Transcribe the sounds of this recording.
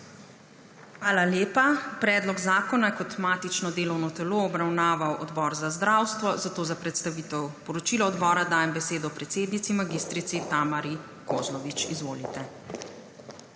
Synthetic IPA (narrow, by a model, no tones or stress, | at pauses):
xʋaːlaljeːpapɾɛːd̪lɔɡzaːkɔnajɛkɔt̪maːt̪it͡ʃnɔd̪eːlɔwnɔt̪ɛloɔbɾawnaːʋawʔɔd̪bɔːɾzazd̪ɾawst̪ʋɔzat̪oːzapɾɛt̪st̪aʋiːt̪ɛwpɔɾɔt͡ʃilɔɔd̪bɔːɾad̪aːjɛmbɛseːd̪ɔːpɾɛt̪seːd̪nit̪simaɡist̪ɾit̪sit̪aːmaɾi | koːzlɔʋit͡ʃizʋoːlit̪ɛ